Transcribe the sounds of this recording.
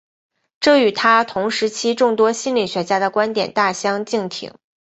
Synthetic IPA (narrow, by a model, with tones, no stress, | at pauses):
ʈ͡ʂɤ˥˩y˨˩t̪ʰa˥t̪ʰʊ˧˥ŋʂɻ̩˧˥t͡ɕʰi˥ʈ͡ʂʊ˥˩ŋt̪wɔ˥ɕi˥nli˨˩ɕɥɛ˧˥t͡ɕja˥d̪ə˨kwa˥nt̪jɛ̰˨˩nt̪a˥˩ɕjɑ˥ŋt͡ɕi˥˩ŋt̪ʰḭ˧˩˥ŋ